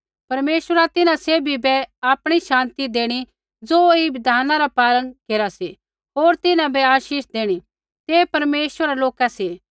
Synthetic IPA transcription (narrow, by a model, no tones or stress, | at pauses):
pɐɾmeːʃwəɾat̪ɪnãseːbʱibɛaːpɽ̃iʃãːnt̪id̪eːɽ̃i | d͡zoːibɪd̪ʱaːnãɾapaːlənkeːɾasi | ɦoːɾt̪ɪnãbɛaːʃiːʃd̪eːɽ̃i | t̪epɐɾmeːʃwəɾaloːkasiː